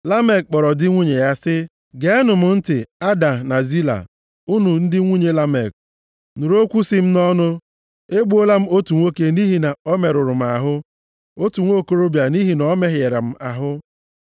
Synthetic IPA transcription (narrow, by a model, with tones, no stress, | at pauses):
la˦me˨k̚k͡pɔ˨ɾɔ˨dɪ˦ŋʷu˦ɲe˨ja˦sɪ˦ | ɡe˨˦nʊ˨m̩˨n̩˦tɪ˨a˦da˨na˨zi˦la̰˨ | u˦nu˨n̩˦dɪ˦ŋʷu˦ɲe˦la˦me˨k̚ | nu˨ɾo˦kʷu˦si˦m̩˦nɔ˦nʊ˦ | e˦ɡ͡bu˦o˦la˦m̩˦o˦tu˨ŋʷo˦ke˦ni˦ɦi˨na˨ɔ˦me˨ɾʊ˨ɾʊ˨m̩˨a˨ɦʊ˦ | o˦tu˨ŋʷo˦˨ko˨ɾo˦bja˨ni˦ɦi˨nɔ˦me˦ɦje˨ɾa̰˨m̩˦ʔa˨ɦʊ˦